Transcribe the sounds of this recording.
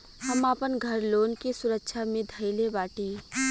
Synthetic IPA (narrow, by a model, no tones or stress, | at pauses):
həmaːpənɡʱəɾloːnkesʊɾəkʃʰamẽd̪ʱəɪlebaːʈiː